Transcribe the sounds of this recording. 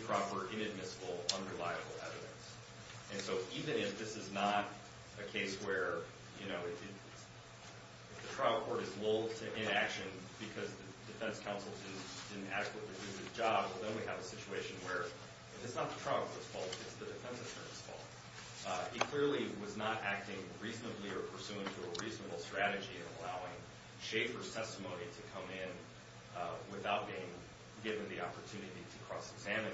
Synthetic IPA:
pʰɹ̥ɑpə˞ʔɪ̃nɨd̚mɪsəbl̩ˠʌ̃nɹɨlaɪɨbl̩ˠɛ̰vɨɾɨ̰̃ns | ɨ̃nsoʊʔivɨ̃nɪfðɪsɨznəɾ | ɨkʰeɪswə˞ | jɨnoʊɨɾɾɪt | ɨfðɨtʰɹ̥aɪl̩ˠkʰɔɹɾɨzloʊlˠd̚tʰɨʔɪ̃nækʃɨ̃nb̥ɨkʰʌzðɨ | d̥ɨfɛ̃nskʰãʊ̃nsl̩ˠdɪdⁿn̩d̥ɪdⁿn̩tæ̰ɾɨk̚ʰwətˡlidʉðɨz̥d͡ʒɑb̚wɛlˠðə̃nwiɨvəsɪt͡ʃueɪʃɨ̃nwə˞ | ɨfɨtsnət̪̚ðətʰɹ̥ʌkl̩ˠəsfɔlˠtɨtsðɨdɨfɛ̃nsɨʃɜ̰˞ɨ̰̃nsfɔ̰lˠ | ɨt̚kʰl̥ɪɹlˠiwʌznəɾʔæk̚tɪ̃ŋɹiznəbliə˞pʰə˞sʉɪ̃ŋtʰɨəɹiznəbl̩ˠstɹ̥æɾɨd͡ʒiɨ̃nə̰laʊɪ̃ŋ | ʃeɪpə˞z̥tʰɛstəmõʊ̃niɾɨkʰʌ̃mɪ̃n | wɪθaʊt̚b̥iɪ̃ŋ | ɡɪvɨ̃nðiɑpə˞tʰʉnɨɾiɾɨkʰɹ̥ɔsɨɡzæmɨ̃

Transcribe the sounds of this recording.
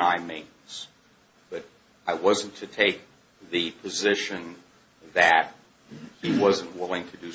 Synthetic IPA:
aɪmẽɪ̃ | z̥ | b̥ʌɾ | aɪwʌzn̩tʰɨtʰeɪk̚ | ðɨpʰɨzɪʃɨ̃n | ðɨt̚ | hiwʌzɨ̃n̩ʔwɪlˠɪ̃ŋtʰɨdɨ

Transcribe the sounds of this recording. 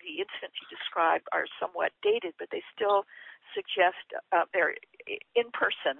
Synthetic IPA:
ðiɪ̃nsɨɨ̃nsjɨdɨskɹaɪb̚də̰˞sʌ̃mwʌ̰t̚d̥eɪɾɨd̚bʌt̪̚ðeɪstɪlˠsɨɡ̚d͡ʒɛstðə˞ɨ̃npʰɜ˞sɨ̃n

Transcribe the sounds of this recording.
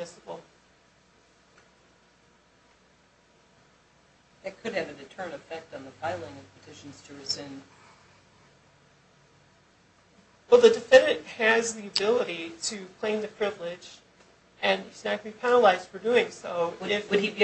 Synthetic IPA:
ɪsəbl̩ˠ | ðɨt̚kʰɨɾ̚ɨvɨdɨtʰɜ̃˞ɨ̃nɨfɛk̚tn̩ðəfaɪlˠɪ̃ŋʌv̥pʰɨtʰɪʃn̩z̥tʰɨɹɨzɪ̃n | wɛlˠðɨdɨfɛ̃nɨ̃nʔhɨzðiɨbɪlˠəɾiɾɨkʰl̥ẽɪ̃mðɨpʰɹ̥ɪvlɪ̥d͡ʒ | ɨ̃nznɨt̚b̥ipʰɛnəlaɪz̥d̥fə˞dʉɪ̃ŋsoʊɪfɨdi

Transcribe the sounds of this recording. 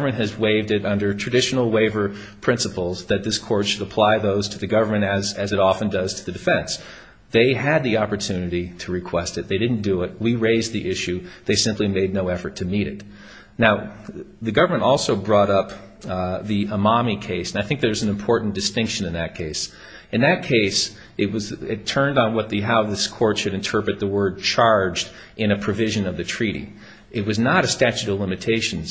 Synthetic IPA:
ə˞mɨ̃ntɦɨzweɪvdɨɾʌ̃ndə˞tʰɹ̥ɨdɪʃn̩l̩ˠweɪvə˞ | pʰɹ̥ɪ̃nsəpl̩ˠzðɨt̪̚ðɪskʰɔɹtʃɨɾəpʰl̥aɪðoʊz̥tʰɨðɨɡʌvə˞mɨ̃ɾ̃ɨzɨzɨɾɔfɨ̃n̩dʌz̥tʰɨðɨdɨfɛ̃ns | ðeɪɨd̪̚ðiɑpə˞tʰʉnɨɾiɾɨɹɨkʰw̥ɛstɨt̪̚ðeɪɾɪdⁿn̩d̥ɨɪt̚wiɹeɪzðiʔɪʃʉðeɪsɪ̃mplimeɪdⁿnoʊɛfə˞tʰɨmiɾɨ̰t̚ | naʊðɨɡʌvə˞mə̃ntɔlˠsoʊbɹɔɾʌp̚ | ðiəmɑmikʰeɪsɨ̃naɪθɪ̃ŋk̚ðə˞wʌzn̩ɨ̃m̩pʰɔɹʔn̩d̥ɨstɪ̃ŋkʃɨ̃nɨ̃nðɨt̚kʰeɪs | ɨ̃nðɨt̚kʰeɪs | ɨt̚wʌzɪtʰɜ̃˞ndn̩wʌt̪̚ðɨɦaʊðɪskʰɔɹtʃɨɾɨ̃ntʰɜ˞pɹɨt̪̚ðəwɜ˞d̚t͡ʃʰɑɹd͡ʒd | ɨ̃ñɨpʰɹ̥ɨvɪʒɨ̃nʌvðɨtʰɹ̥iɾḭ | ɨt̚wʌznəɾɨstæt͡ʃʉɾʌvlɪ̃mɨtʰeɪʃɨ̃n̩

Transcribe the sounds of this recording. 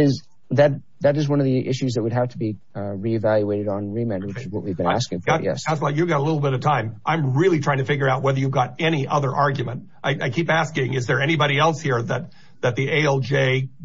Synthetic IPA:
ɪz | ðɨt̪̚ | ðɨɾɨzwʌ̃nʌvðiʔɪ̰ʃʉzðɨt̚wəd̚æftʰəbi | ɹivælˠjueɪɾɨɾn̩ɹimẽwɨt͡ʃɨzwʌ̰ʔwivbɨ̃næ̰skɪ̃ŋɡɑtjɛ̰sslaɪkjɨvɡɑɾəlɪɾl̩ˠbɪɾʌv̥tʰãɪ̃mʔãɪ̃mɹɪlˠitʰɹ̥aɪɪ̃ŋtɨfɪɡjə˞aʊt̚wɛðə˞jʉvɡɑɾɛñiʔʌðə˞ʔɑɹɡjmə̃nt̚ | ʔaɪʔaɪkʰipæskɪ̃ŋɨzðə˞ɛñibɑɾiɛlˠshiɹðɨt̪̚ | ðɨt̪̚ðieɪɛlˠd͡ʒeɪ

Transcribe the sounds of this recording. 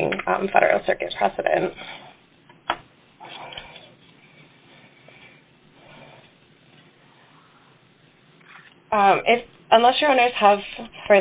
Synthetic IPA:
ŋʌ̰̃mfɛ̰ɾə̰˞l̩ˠsɜ̰˞kɨ̰t̚pʰɹ̥ɛsɨɾɨ̰̃nt̚ | mʔɪf | ə̃nlɛsjə˞õnə˞z̥əv̥fə˞

